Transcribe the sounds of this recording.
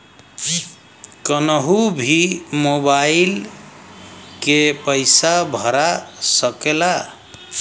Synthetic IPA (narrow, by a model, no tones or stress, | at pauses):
kənəɦubʱimobail | kepəɪsabʱəɾasəkela